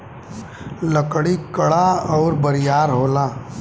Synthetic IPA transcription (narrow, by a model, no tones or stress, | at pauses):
ləkɽikəɽaɔːɾbəɾɪjaːɾɦoːlaː